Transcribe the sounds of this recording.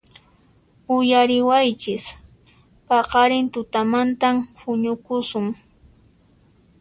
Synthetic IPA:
ʊjaɾɪwajt͡ʃɪs | pɑqɑɾɪnt̪ʊt̪amant̪amhʊɲʊkʊsʊŋ

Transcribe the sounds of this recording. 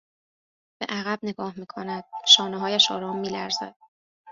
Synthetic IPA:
b̥e̞̰ʔæɣæb̚ne̞ɡɒːhmiːkʰonæd̪̥̚ʃɒːneɦɒːjæʃɒ̰ːɾɒːmːiːlæɾzæ̰d̪̥̚

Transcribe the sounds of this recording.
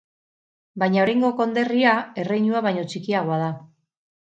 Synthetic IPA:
bajɲaoɾajŋɡo̞ko̞nd̪e̞riae̞rejɲuaβajɲo̞t͡ʃikiaɣo̞að̞a

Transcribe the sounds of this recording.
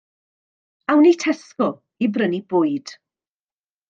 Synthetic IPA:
awnitʰɛskɔ | ibrənibʊːɨd̥

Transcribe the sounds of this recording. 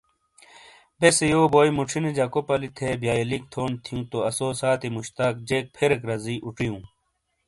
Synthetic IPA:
besejoːboːjmuʈ͡ʂʰined͡ʑɐkopɐlit̪ʰebjaːjelik̚t̪ʰoːnt̪ʰijũt̪oɐsoːsaːt̪imuɕt̪aːk̚d͡ʑeːk̚pʰeɾekɾɐziːʔuʈ͡ʂijũː

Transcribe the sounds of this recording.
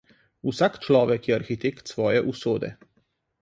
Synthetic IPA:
usaːkt͡ʃlɔːʋɛkjɛaɾxit̪eːkt̪sʋɔːjɛʔusoːd̪ɛ̰

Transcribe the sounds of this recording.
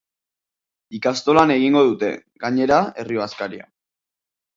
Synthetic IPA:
ikast̪o̞lane̞ɣiŋɡo̞ð̞ut̪e̞̰ɡaɲe̞ɾae̞rioaskaɾia̰

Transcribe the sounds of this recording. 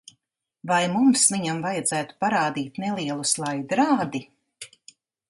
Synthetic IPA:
vajmumsviɲamvajad̪zæːt̪u̥paɾaːd̪iːt̪nɛlˠiɛlˠuslˠajd̪ɾaːd̪i

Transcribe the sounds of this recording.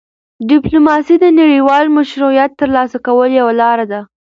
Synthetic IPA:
ɖɪplumɑsid̪ənaɽiwɑlmaʃɾujat̪ːəɾlɑsakawəljawalɑɾad̪a

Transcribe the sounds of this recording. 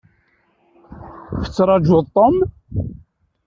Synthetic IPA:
fə̥t͡sːɾˤɑd͡ʒʊðˤt̪ˤːom

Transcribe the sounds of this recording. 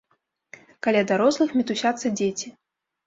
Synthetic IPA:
kalʲad̪aɾɔslˠɨxmʲɛt̪usʲat̪sːɐd͡zʲet͡sʲi

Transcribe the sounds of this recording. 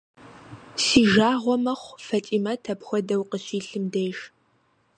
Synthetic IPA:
siːʒaːʁʷɔmɐχʷfɐtʼiːmɐtʰɐpxʷɔdɐwqəɕiːɬɨmdejʃ

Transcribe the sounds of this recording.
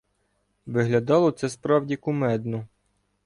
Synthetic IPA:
ʋɪɦlʲɐd̪ɑlˠɔt̪sɛspɾɑwdʲikʊmɛd̪nʊ

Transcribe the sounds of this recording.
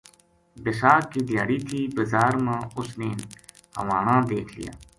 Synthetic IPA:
bɪsaːkːiːd̪jaːɽiːt̪ʰiːbəzaːɾmãːʊsneːn | hə̰ʋaːnãːd̪eːkʰlɪ̰ja̰ː

